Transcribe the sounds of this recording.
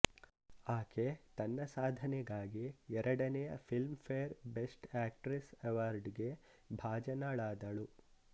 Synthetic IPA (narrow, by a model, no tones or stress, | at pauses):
aːkʰet̪ɐnːɐsaːd̪ʱɐnɛɡaːɡiɛɾʔɐɽɐnɛjɐ̰pʰilmpʰejɐɾbesʈaːk̚ʈɾiseʋaːɾɖɡe̞ | bʱaːd͡ʒɐnaɭaːd̪ɐɭu